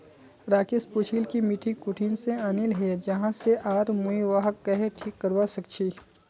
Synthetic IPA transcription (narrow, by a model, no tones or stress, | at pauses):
ɾaːkɪspʊt͡ʃʰiːlkimɪʈʰikʊʈʰinseaːnɪlɦɛd͡ʒɐɦãseʔaːɾmuiʋaɦəkːɐɦeʈʰiːkːəɾʋasɐkt͡ʃʰiː